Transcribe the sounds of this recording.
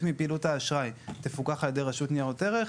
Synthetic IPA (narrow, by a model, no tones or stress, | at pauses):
kmipiːluthaːʃʁajt̪efukaχaljedejʁaʃutniaʁote̞ʁe